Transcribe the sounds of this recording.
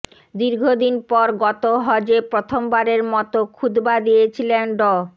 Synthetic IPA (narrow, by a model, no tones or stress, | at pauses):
d̪iɾɡʱod̪inpɔɾɡɔt̪oɦɔd͡ʑepɾot̪ʰombaɾeɾmɔt̪okʰud̪bad̪ijet͡ɕʰilenɖɔ